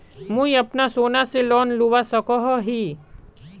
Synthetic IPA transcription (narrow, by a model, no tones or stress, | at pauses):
mũiɐpnasoːnaselɔːnluʋasɐkoɦɔɦiː